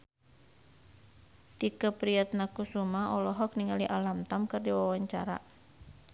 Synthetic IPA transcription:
tikəpɾiat̪̚nakusumaɔlɔɦɔk̚niŋaliʔalamt̪amkɨrdiwawaɲt͡ʃaɾa̰

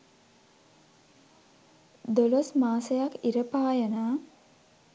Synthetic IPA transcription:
d̪olosmaːsəjakiɾəpaːjənaː

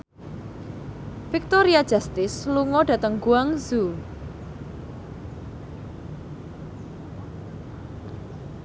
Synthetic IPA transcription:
fik̚t̪ɔɾiad̥ʒ̥a̤st̪ɪsluŋɔɖ̥ä̤t̪əŋɡuaŋzu

